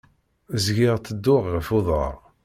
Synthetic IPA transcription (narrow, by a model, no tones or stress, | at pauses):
zɡɪʁt̪ːəd̪ːʊʁːəfʊðˤə̰ʁ